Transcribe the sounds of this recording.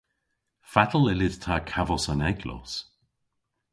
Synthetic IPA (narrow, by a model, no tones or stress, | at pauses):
fat̪əl̩ɛlɪdt̪ʰakʰavɔsanɛɡlɔ̰ːs